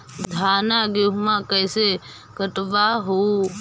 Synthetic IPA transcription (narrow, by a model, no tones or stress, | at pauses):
d̪ʱaːnaɡeɦmãkəjse | kəʈʋaɦo